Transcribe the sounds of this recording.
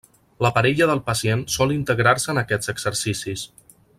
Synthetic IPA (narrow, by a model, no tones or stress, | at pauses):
ləpəɾɛʎəðəlˠpəsiensɔlˠint̪əɣɾarsəːnəkɛd͡zəɡz̥əɾsisis